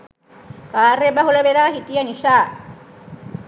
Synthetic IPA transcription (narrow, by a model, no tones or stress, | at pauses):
kaːrebaɦuləʋeɾaːɦit̪ijənisaː